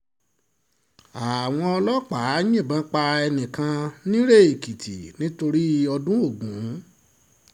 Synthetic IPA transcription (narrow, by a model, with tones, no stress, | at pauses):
a˨w̃ɔ̃˧ɔ˧lɔ˦k͡pa˨˦jĩ˦˨bã˧˦k͡pa˧ɛ˧nĩ˨kã˧nĩ˦ɾe˦e˨ki˨tḭ˨nĩ˦to˧ɾi˦ɔ˧dũ˦o˦˨ɡũ˨˦